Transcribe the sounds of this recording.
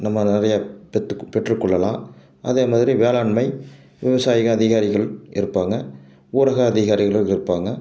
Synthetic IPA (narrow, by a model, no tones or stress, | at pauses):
nɐmːɐnɪrɐjɐpɛpɛʈrɯkːɯɭːɐlãː | ʔɐ̰ðeːmaːðɪɾiʋeːlaːɳmɐɪ | ʋɪʋɐsaːjɪɣɐːðɪɣaːɾɪɣɐɭʔɪ̰ɾɯpːaːŋɡɐ | uːɾɐɣɐːðɪɣaːɾɪɣɐɭɯɪɾɯpːaːŋɡɐ